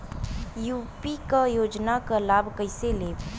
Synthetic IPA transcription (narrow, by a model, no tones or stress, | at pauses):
juːpikajoːd͡ʒnakalaːbʱkəɪseleː